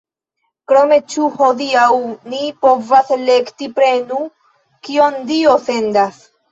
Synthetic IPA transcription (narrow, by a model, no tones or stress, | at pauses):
kɾo̞me̞t͡ʃuho̞diawnipo̞vasle̞ktipɾe̞nu | kio̞ndio̞fe̞ndas